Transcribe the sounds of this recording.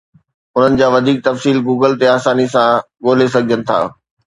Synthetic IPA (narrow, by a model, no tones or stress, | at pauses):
ʊn̤ənɪ̆d͡ʑaːʋɐd̪ʱiːk̚t̪ɐfsiːlɡuːɡəlt̪eaːsaːnisã | ɠoːlesɐɡʱijənɪ̆t̪ʰa̰ː